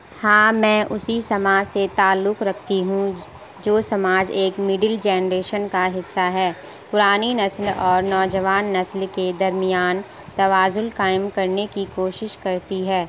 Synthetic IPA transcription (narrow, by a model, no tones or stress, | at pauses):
hãːmɛ̃ːʔʊsisɐmaːd͡ʒset̪aːlːʊkɾɐkʰt̪iɦũ | d͡ʒoːsɐmaːd͡ʒeːkmɪɖɪld͡ʒɛːnɾeːʃənkaɦɪsːaɦɛː | pʊɾaːninɐslɔːɾnɔːd͡ʒəʋaːnːɐslked̪ɐɾmɪjaːn | t̪ɐʋaːzʊlkaːɪmkɐɾnekikoːʃɪʃkɐɾt̪iɦɛː